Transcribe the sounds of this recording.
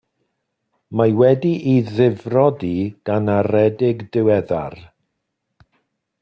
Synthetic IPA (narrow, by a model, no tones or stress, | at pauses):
majwɛdiʔiðɪvrɔdiɡ̥anaɾɛdɪɡdɪwɛða̰r